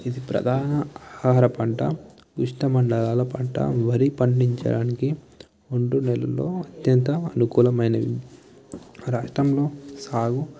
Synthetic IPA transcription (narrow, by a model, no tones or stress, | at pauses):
id̪ipɾɐ̰d̪ʱaːnɐhaːɾɐpɐɳʈɐ̰ | ʋiʂʈɐmɐɳɖɐlaːlɐpɐɳʈɐ̰ʋɐɾipɐɳɖiɲt͡ʃɐ̰ɽaːniki | oɳɖunɛlɐlːoːɐt̪jɐnt̪ɐːnukuːlɐmɐjnɐ | ɾaːʂʈɾɐmlo̞ːsaːɡu